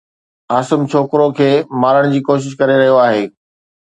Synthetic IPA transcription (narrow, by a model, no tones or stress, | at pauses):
aːsəmt͡ɕʰoːkɾokʰeːmaːɾəɽ̃d͡ʑiːkoːʃ̬ɪʃ̬kɐɾeɾɐɦijoaːɦeː